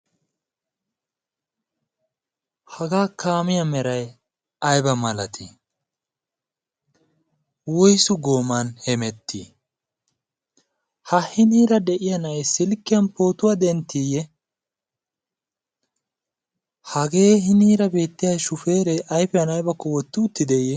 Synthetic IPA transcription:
hɐɡaːkaːmɪjɐmɛɾɐj | ɐjbɐmɐlɐt̪ʰḭ | wɔjsʊɡo̞ːmɐnhɛmɛt̪ːḭ | hɐhɪniːɾɐd̪ɛʔɪjɐnɐjsɪlkːɪjɐnpo̞ːt̪ʊwad̪ɛnt̪ːiːjɛ | hɐɡe̞ːɦɪniːɾɐbe̞ːt̪ːɪjɐjʃʊfe̞ːɾɛʔɐjfɪjɐnɐjbɐkːɔwɔt̪ːɪʊt̪ːɪd̪ɛjɛ

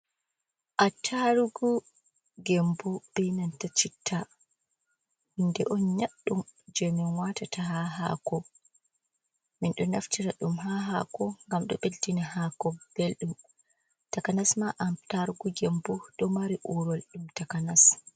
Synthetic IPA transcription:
ʔatʰaɾuɡu | ɡɛmbɔb̥ɛjnantat͡ʃitʰːa | hindɛʔɔnɲaɗːumd͡ʒɛmɛnwatatʰaɦaɦa̰kɔ | minɗɔnaftiɾaɗumɦaɦakɔŋɡamɗɔ̰ɓeltinihakɔb̥elɗum | takanasmaʔataɾuɡuɡɛmbɔɗɔmaɾiʔuɾɔlɗumtakanas

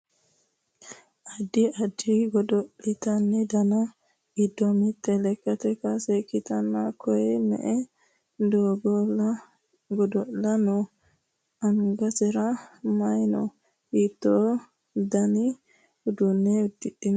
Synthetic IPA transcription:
ʔɐd̪ːɪɐd̪ːɪɡɔd̪ɔlɪt̪ɐnːɛd̪ɐnɐ | ɡɪd̪ːɔmɪt̪ːɛlɛkːɐt̪ɛkɐsɛkːɪt̪ɐnːakʰɔjɛmɛ̰ʔɛ | d̪oːɡɔlɐ | ɡɔd̪ɔlɐnɔ | ɐŋɡɐsɛɾɐmɐjnɔ̰ | it̪ːɔ | d̪ɐnɪ | ʊd̪ʊnːɛʊd̪ːɪɗɪn

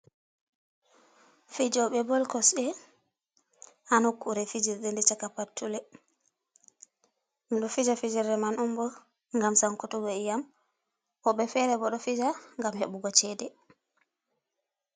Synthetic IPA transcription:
fid͡ʒɔɓɛbɔlkɔsɗɛ | hanukːuɾɛfid͡ʒiɾɗendit͡ʃakapatːulɛ | miɗɔfid͡ʒafid͡ʒɛɾɛmanumbɔ | ŋɡamsaŋkutuɡɔɛjam | ʔɔɓɛfɛɾɛbɔɗɔfid͡ʒaŋɡamheɓuɡɔt͡ʃɛdɛ

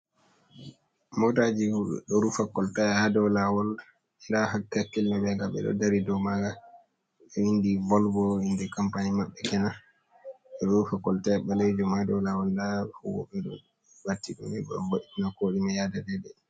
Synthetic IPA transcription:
mɔtad͡ʒiɗ̰ɗɔɾufakɔltajhadɛwlawɔl | iɾaɦatakːilnɔbɛɡaɓɛ̰ɗɔ̰daɾidɔmaɡa | ɓɛwindivɔlbɔhindɛkampanimaɓːɛkɛna | ɛɗɔɾufakɔltaɓɛlejd͡ʒumhadɔwlawɔldaɔwɔ̰ɓɛɗɔ̰ | batːiɗɔ̰niɓɛɗɔ̰ɡoɗitinakoɗimajadadɛdɛ

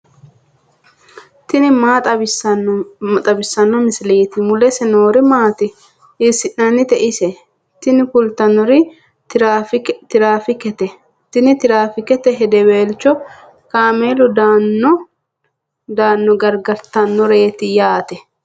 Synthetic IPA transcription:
t̪ɪnɪmaːt̪ʼɐbɪsɐnɐt̪ʼɐbɪsːɐnːɔmɪsɪleːt̪ɪmʊlɛsɛnoːɾɪmaːt̪ɪ | ɪsːɪʔnɐnːɪt̪ɛʔɪsɛ | t̪ɪnɪkʊlt̪ɐnːɔɾɪ | ft̪ɪɾaːfɪkɛt̪ɛ | t̪ɪnɪt̪ɪɾaːfɪkɛt̪ɛɦɛd̪ɛweːlt͡ʃːɔ | kaːmeːlɔd̪anːɔ | d̪aːnːɔɡɐɾɡɐɾt̪ɐnːɔɾe̞ːt̪ɪjaːt̪ɛ

